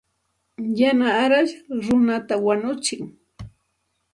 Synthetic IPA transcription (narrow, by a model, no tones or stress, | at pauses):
janaːɾaʃɾʊnat̪awaɲʊt͡ʃɪŋ